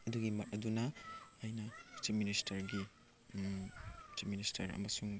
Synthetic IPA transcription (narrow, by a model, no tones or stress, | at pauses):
ɐduɡimɐtɐdunɐɐjnɐt͡ʃip̚ministʰɐɾɡi | t͡ʃip̚ministʰɐɾɐ̰mɐsuŋ